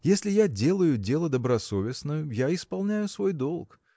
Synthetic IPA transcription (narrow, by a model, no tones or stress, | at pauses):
jesʲlʲɪjadʲe̞lˠəjʊdʲe̞lˠəd̪əbɾɐso̞vʲɪsnəjʊjaɪspɐlˠnʲæjʊsvo̞jd̪o̞lˠk